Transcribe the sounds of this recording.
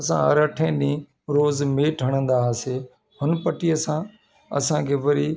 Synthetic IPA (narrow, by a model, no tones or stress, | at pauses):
sã̰ːəɾəʈʰẽːɗĩː | ɾoːzmeːʈʰəɽ̃ə̃nd̪aːseː | ɦʊnpəʈiːəsãː | ə̰sãːkʰeːʋəɾiː